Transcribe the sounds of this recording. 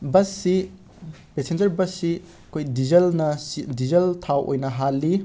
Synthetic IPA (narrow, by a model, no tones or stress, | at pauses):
bɐsːi | pesend͡ʒɐɾbɐsːi | ɐkʰojdizɐlnɐsidizɐltʰawʔo̰jnɐɦalːi